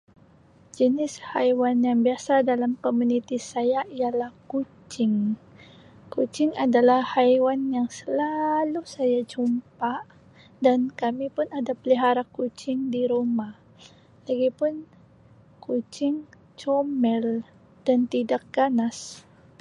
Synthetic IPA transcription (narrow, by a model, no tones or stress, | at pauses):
d͡ʒənɪshajwanjaŋbiasadalamkomunit̪isajaʔijalahkut͡ʃɪŋ | kut͡ʃɪŋadalahhajwanjaŋsəlalusajad͡ʒumpa | dankamipʊnadapəliɦaɾakut͡ʃɪŋdiɾoma | laɡipʊn | kut͡ʃɪŋ | t͡ʃomɛl | d̥ant̪idak̚ɡ̥anas